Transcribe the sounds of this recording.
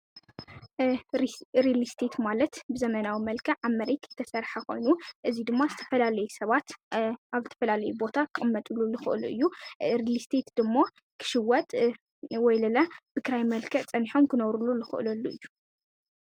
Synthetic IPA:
ɾilist̪ʰe̞t̪malɐt̪bɨzɐmɐnawimɐlkʰɐʕamːɐɾet̪ʰɨt̪ʰːɐsɐɾħako̞̰jnuʔɨzid̪ɨmːazɨt̪ʰɐ̥fɐlalɐjusɐβat̪ʔaβzɨt̪ʰɐ̥fɐlalɐjubo̞t̪ʰakʰɨʔʼɨmːɐt̪ʼululɨxɨ̰ʔɨluʔɨ̰jːuɾilist̪ʰe̞t̪d̪ɨmːa | kʰɨ̥ʃɪwːɐt̪ʼ | wɔjlɐlab̥ɨkɾajmɐlkʰɐʔt͡sʼɐniħo̞mkɨnɐβɾululɨxɨ̰ʔlɐlːuʔɨjːu

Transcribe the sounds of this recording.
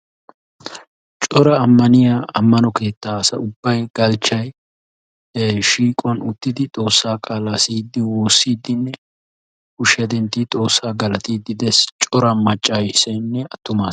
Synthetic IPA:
t͡ʃʼɔɾɐːmːɐnɪjaɐmːɐnɔke̞ːt̪ːaːsɐ̰ʊbːɐjɡ̥ɐlt͡ʃːɐj | ʃiːkʼɔnʊt̪ːɪd̪ɪt̪ʼo̞ːsːaːkʼaːlasiːd̪ːɪwoːsːiːd̪ːɪnːɛ | hʊʃjɐd̪ɛnt̪ːit̪ʼo̞ːsːaːɡɐlɐt̪iːd̪ːɪd̪ɛst͡ʃʼɔɾɐmɐt͡ʃʼːaːjɪsɛnːɛɐt̪ːʊmaː

